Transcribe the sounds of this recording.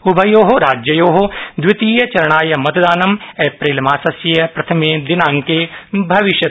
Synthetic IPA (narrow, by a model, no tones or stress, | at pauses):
ʊbʱɐjoːɦoɾaːd͡ʒjɐjoːɦod̪wɪt̪iːjɐt͡ʃɐɾɐɽ̃aːjɐmɐt̪d̪aːnɐmeːpɾiːlmaːsɐsjɐjɐpɾɐt̪ʰɐmeːd̪ɪnãːŋkeːbʱɐʋɪʃjɐ